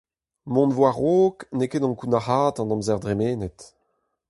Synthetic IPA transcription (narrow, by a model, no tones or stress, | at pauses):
mɔ̃nvwaʁoːknekeːdɑ̃ŋkunahaːt̪ɑ̃nɔ̃mzɛʁd̪ʁemeːnet̪